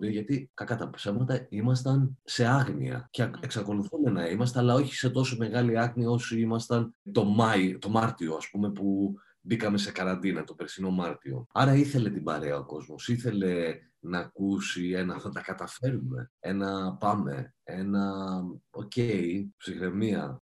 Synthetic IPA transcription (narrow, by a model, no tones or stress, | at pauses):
ɾiʝɐt̪ik̪ɐkɐt̪ɐpsevmɐt̪ɐimɐs̬t̪ɐnse̞ɐɣnḭɐ̰ceeksɐko̞luθume̞nɐimɐst̪eɐlɐo̞çi̥se̞t̪o̞some̞ɣɐliɐɣniɐo̞siimɐst̪ɐnt̪o̞mɐt̪o̞mɐɾt̪io̞ɐspume̞pu | bikɐme̞se̞kɐɾɐnd̪inɐt̪o̞pe̞ɾθino̞mɐɾt̪io̞̰ɐɾɐiθe̞le̞t̪ibɐ̰ɾe̞ɐo̞ko̞zmo̞siθe̞le̞ | nɐːkusie̞nɐθɐt̪ɐkɐt̪ɐfe̞ɾume̞̰e̞nɐpɐme̞̰e̞nɐ | o̞ceipsixɾe̞miɐ̰